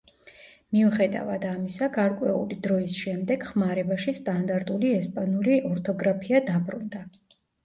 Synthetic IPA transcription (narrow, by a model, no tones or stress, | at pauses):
miuχɛd̪a̰vad̪amisaɡaɾkʼwɛṵlid̪ɾɔisʃɛmd̪ɛɡ̥χmaɾɛbaʃist̪ʼand̪aɾt̪ʼuliɛspʼanuliʔɔɾt̪ʰɔɡɾapʰiad̪abɾund̪a